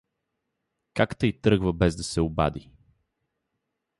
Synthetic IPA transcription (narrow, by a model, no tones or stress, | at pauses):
kakt̪əjt̪ɾɤɡvəbɛzd̪ɐsɛʊba̰d̪i